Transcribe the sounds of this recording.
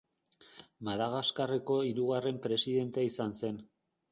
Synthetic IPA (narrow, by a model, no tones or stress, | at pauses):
maðaɣ̞askareko̞iɾuɣare̞mpɾe̞siðe̞nt̪eaisanse̞n